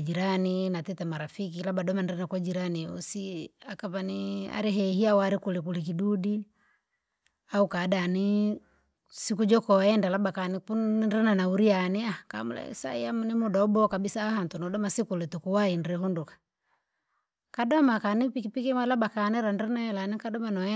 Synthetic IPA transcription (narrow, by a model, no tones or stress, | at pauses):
d͡ʒiɾaninatɛtɛmaɾafikilabadɔmanɾɛnakwad͡ʒiɾaniṵsiakapania̰ɾiɦɛhiawaɾikulikulik̬idudi | aukadani | sikud͡ʒɔkɔɛndalabakanipundɾɛnanauɾianiaka̰mṵlɛ̰sa̰ḭamunimudaɔbɔkabisaːhantunɔdɔmasikulɛtukuwainɾɛhundukḁ | kadɔmakanipikipikimalabakanɛɾanɾɛnaɛlanikadɔmanɔ